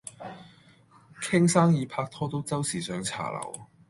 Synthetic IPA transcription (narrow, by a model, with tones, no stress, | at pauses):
kʰɪ˥ŋsaː˥ŋjiː˨˧pʰaː˧k̚t̪ʰɔː˥t̪̬o˥wt͡sɐ˥wsiː˨˩sœː˨˧ŋt͡sʰa̰ː˨˩lɐ̰˨˩w